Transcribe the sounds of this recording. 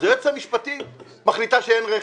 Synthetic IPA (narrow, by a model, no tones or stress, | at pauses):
zeet͡samiʃpat̪i | maχlit̪aʃeenʁe